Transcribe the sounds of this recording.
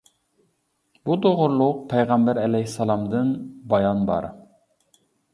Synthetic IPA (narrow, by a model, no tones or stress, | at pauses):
bud̪oʁʊɾlˠʊq̚pʰɛjʁɑmbæɾɛlɛjsːɑlˠɑmd̪ɨnbɑjɑnbɑ̰ɾ